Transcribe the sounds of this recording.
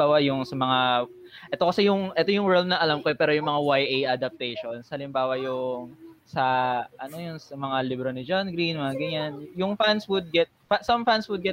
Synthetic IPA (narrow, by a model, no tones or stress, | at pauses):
aːwɐjʊŋsɐmɐŋa | ʔɛt̪o̞kɐsɛjʊŋʔɛt̪o̞jʊŋwɛɾld̪̚nɐʔɐlamkoɛpɛːɾo̞jʊŋmɐŋawajʔejʔad̪ɐp̚t̪ɛjʃonshɐlɪmbaːwɐjʊŋsɐʔɐno̞jʊŋsɐmɐŋalibɾonɪd͡ʒanɡɾinmɐaɡɐɲanjʊŋfanswʊd̪̚ɡɛt̪̚fasɐmfanswʊd̪ɡɛt̪̚